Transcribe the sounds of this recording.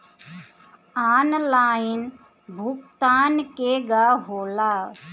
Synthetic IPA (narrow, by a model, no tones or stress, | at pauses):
aːnlaːin | bʱukt̪aːnkeɡaːɦoːlaː